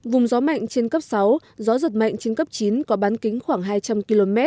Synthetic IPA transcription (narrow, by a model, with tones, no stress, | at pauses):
vʊ˨˩ŋ͡mzɔ˨˦ma̰˧˨jŋ̟t͡ɕe˧nkə˦˥p̚sa˨˦w | zɔ˨˦zə˨˩t̚ma̰˧˨jŋ̟t͡ɕe˧nkə˦˥p̚t͡ɕi˨˦nkɔ˨˦ɓaː˨˦nkï˨˦ŋ̟xwaː˧˩ŋɦaː˧jt͡ɕa˧mki˧lo˧mɛ˦˥t̚